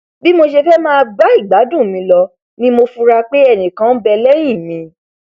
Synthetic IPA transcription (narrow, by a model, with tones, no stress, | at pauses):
bi˦mo˧ʃe˧fɛ˦mãː˦˧ba˦i˦˨ɡ͡ba˨˦dũ˦˨mĩ˧lɔ˧ | nĩ˦mo˧fu˧ɾa˧k͡pe˦ɛ˦˨nĩ˨kã˨˦bɛ˧lɛ˦j̃ĩ˦˨mĩ˧